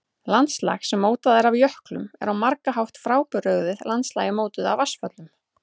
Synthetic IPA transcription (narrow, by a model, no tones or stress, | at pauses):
lant̪sla̰xsɛmːoːwt̪aðɛɾavjœhklʏ̰mɛ̰ɾawmaɾkaɦawht̪fɾaːwpʏɾœɣðɪðlant̪slajɪmoːwt̪ʏðavasfœt̪lʏm